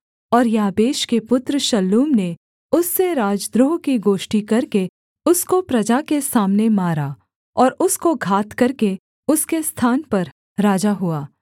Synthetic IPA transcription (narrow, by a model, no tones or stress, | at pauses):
ɔːɾjaːbeːʃkepʊt̪ɾəʃɐlːuːmne | ʊsːeɾaːd͡ʒd̪ɾʊɦkiɡoːʃʈikɐɾke | ʊskopɾɐd͡ʒakesaːmnemaːɾa | ɔːɾʊskoɡʱaːt̪kɐɾke | ʊskest̪ʰaːnpɐɾ | ɾaːd͡ʒaɦuaː